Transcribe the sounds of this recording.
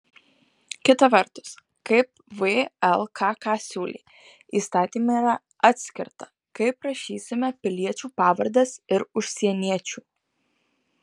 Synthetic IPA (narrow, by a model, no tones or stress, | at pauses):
kʲɪt̪ɐʋɐɾt̪ʊ̥s | kɐɪp̚ʋeɛlˠkʰɑːkɑːsʲuːlʲḭː | iːst̪ɑːt̪ʲiːmɐiːɾɐ | ɑt̪ʲsʲkʲɪ̰ɾt̪ɐ̥ | kɐɪpɾɐʃʲiːsʲɪmʲɛpʲɪlʲiɛt͡ʃʲuːpɑːʋɐɾd̪ɐsɪɾʊʃʲsʲiɛnʲiɛt͡ʃʲuː